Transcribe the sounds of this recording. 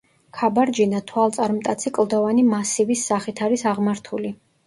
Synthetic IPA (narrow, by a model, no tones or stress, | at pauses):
kʰabaɾd͡ʒinat̪ʰwalˠt̪sʼaɾmt̪ʼat̪sʰikʼlˠd̪ɔvanimasivisːaχit̪ʰaɾisaʁmaɾt̪ʰuli